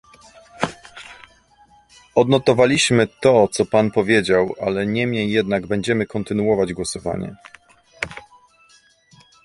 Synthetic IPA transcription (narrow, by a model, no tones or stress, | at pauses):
ɔd̪nɔt̪ɔvalʲiɕmɘt̪ɔt̪sɔpanpɔvʲjed͡ʑawʔalɛɲɛmɲejːɛd̪naɡbɛɲd͡ʑɛmɘkɔnt̪ɘnuɔvad͡ʑɡwɔsɔva̰ɲɛ̰